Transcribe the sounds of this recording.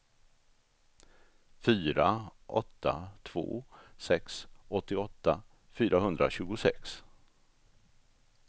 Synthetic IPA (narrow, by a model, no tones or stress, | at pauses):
fyːɾaʔɔ̰t̪ʰːat̪ʰvo̰ːsɛksɔt̪ːɪɔt̪ːa | fyːɾʔaɦɵnd̪ɾa̰ɕʉ̟ːɡʊsɛks